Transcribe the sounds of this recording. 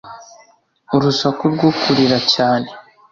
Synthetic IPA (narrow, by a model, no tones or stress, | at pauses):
uɾusakuɾɡukʰuɾiɾacaːne